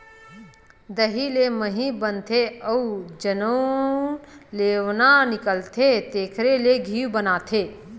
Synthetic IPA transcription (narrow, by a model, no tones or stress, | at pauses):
d̪əɦileməɦĩbənt̪ʰeəud͡ʒənonleːʋnanɪkəlt̪ʰet̪eːkʰɾeleɡʱiːwbənaːt̪ʰeː